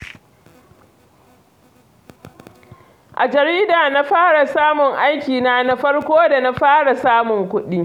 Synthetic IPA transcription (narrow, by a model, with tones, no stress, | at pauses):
ʔa˨d͡ʒɐ˨ɾiː˦daː˨na˦ɸaː˦ɽa˨saː˦mʊ˨ŋʔa˦jkʲiː˨naː˦na˦ɸɐ˦ɽkʷoː˦da˨na˦ɸaː˦ɽa˨saː˦mʊ˨ŋkʷʊ˦ɗi˦